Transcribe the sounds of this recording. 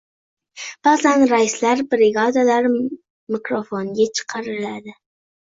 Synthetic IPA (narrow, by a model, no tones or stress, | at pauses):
b̥ɑzanɾajɪslaɾbɾɪɡɑd̪alaɾ | mɪkɾofoŋɡʲet͡ʃʰə̥qʰɑɾɪlad̪ɪ